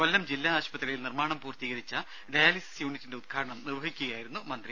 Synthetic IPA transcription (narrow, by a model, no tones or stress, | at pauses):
ʋɐlːɐmd͡ʑilːaːɕpɐt̪ːrɐjilnirmaːɳɐmpuːrt̪iːɣɐɾit͡ɕːɐ | ɖɐjaːlisi̥sjuːnitːinde̞ud̪̚kʰaːɾɐɳɐmnirʋɐɦikʲːuɣɐjaːjiɾunːumɐnd̪ri